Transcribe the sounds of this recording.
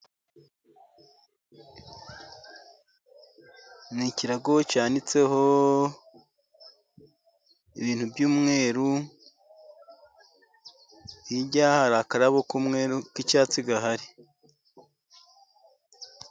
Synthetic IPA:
niciɾaɡocaːnit͡se̞ho | iβiːn̥hubjuːmŋe̞ːɾu | iɟahaɾakaɾaβokumŋeɾukicaːt͡siɡaɦaɾi

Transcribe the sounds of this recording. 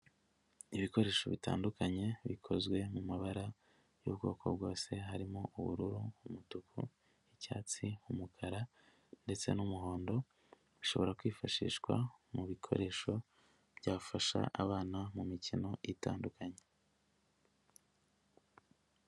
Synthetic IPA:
iβiko̞ɾe̞ːʃo̞βita̰ːndukaɲe̞βikʰo̞zɡwe̞mumaβaɾa | jṵβɡo̞̰ːkʰo̞b̚ɡo̞ːse̞ɦaɾimoʔuβṵɾuɾuumutukʰṵ | icaːt͡siumukʰaɾa | nde̞t͡se̞̰numuɦo̞ːndo̞ | βiʃo̞βo̞ɾakwiːfaʃḭːʃkwa̰muβikʰo̞̰ɾe̞ːʃo̞ | b̥ɟaːβfaʃa̰ʔaβaːnamumicino̞jita̰ːndukʰaɲe

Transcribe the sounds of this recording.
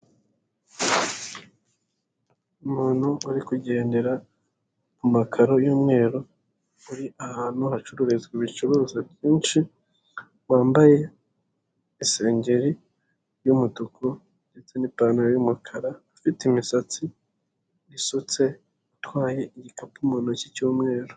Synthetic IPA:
umuːn̥huuɾikuɟe̞ːnde̞ɾa | mumakʰaɾo̞juːmŋe̞ːɾo | uɾiʔahaːn̥huhat͡ʃuɾuɾezɡwiβit͡ʃuɾuːzabɟiːnʃi | waːmbaje̞ | iseːɲɟe̞ɾi | jumutukʰo | ndet͡senipanaɾojumakʰaɾaːfitimisat͡si | jisut͡se̞ | atwaːje̞iɟikapumuːnocicuːmŋe̞ːɾo

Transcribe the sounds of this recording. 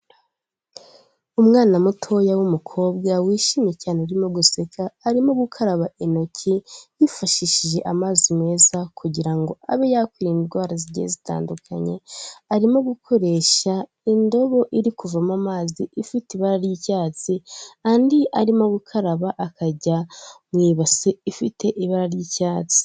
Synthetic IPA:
umŋaːnamutʰo̞jawumukʰo̞ːb̚ɡawiːʃimecaːneuɾimoɡusekʰaːɾimo̞ɡukʰaɾaβaino̞cʰijifaʃiʃiʒe̞ʔamaːzime̞ːzakʰuɟiɾaŋɡo̞aβejaːkwiːɾiindɡwaːɾaziɟezita̰ːndukʰa̰ɲe̞aɾimo̞ɡukʰo̞ɾe̞ʃa | indo̞βo̞ʔiɾikuvamamaːziifitiβaɾaɾjicaːt͡siandiʔaɾimo̞ɡukʰaɾaβaʔakaɟamwiːβaseifitʰe̞ʔiβaɾaɾjiːcaːt͡si̥

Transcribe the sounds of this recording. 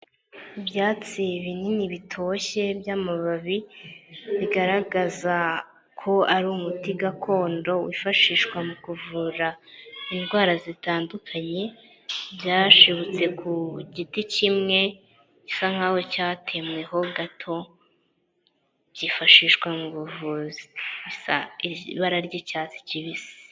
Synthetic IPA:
ibjaːt͡siβininiβitʰo̞ɕe̞bjaːmaβaβi | βiɡaɾaɡaza | kʰo̞aɾumutiɡakʰo̞ːndo̞wifaʃiːʃkwamukuvuɾainɡwaːɾazitaːndukʰaɲe̞ | bjaːʃiβut͡se̞kʰuɟiticimŋe̞ | ci̥saŋ̥ahocatʰe̞mwe̞ho̞ɡatʰo̞ | b̥jifaʃiːʃkwamuβuvuziβisa̰iβaɾaɾɟecaːt͡si̥ciβisi̥

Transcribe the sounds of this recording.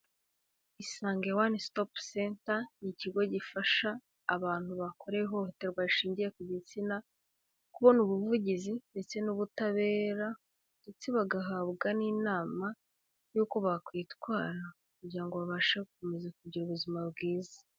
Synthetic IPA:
isaːŋɡewanistopsentaniciɡo̞ɟifaʃaː | βaːn̥huβakʰo̞ɾeɦo̞hote̞ɾɡwaiʃiːɲɟije̞kuɟit͡sina | kuβo̞nuβuvuɟizinde̞t͡se̞nuβutaβe̞ːɾa | βtut͡siβaɡaɦaːβɡaniːnaːma | juːko̞βakwiːtkwaːɾa | kuɟiɾaŋɡo̞βaβaʃekumezakubɟiɾuβuzimaβɡiːzḁ

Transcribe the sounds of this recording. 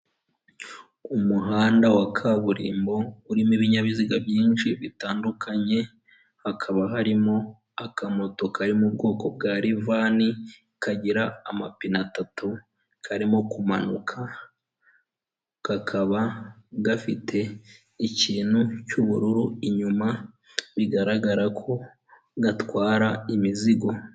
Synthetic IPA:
umuɦaːndawakʰaβuɾḭːmbo̞uɾimiβiɲaβiziɡabjiːnʃiβitaːndukʰaɲe̞ | hakʰaβaɦaɾimo̞ | akamoto̞kʰaɾimub̚ɡo̞ːko̞b̚ɡaːɾivaːni | kaɟiɾaːmapinatatu | kʰaɾimo̞kumanukʰa | kakʰaβaɡafitʰe̞ | iciːn̥hucuβuɾuɾuiɲuma | βiɡaɾaɡaɾakʰo̞ | ɡatwaːɾaimiziɡo̞

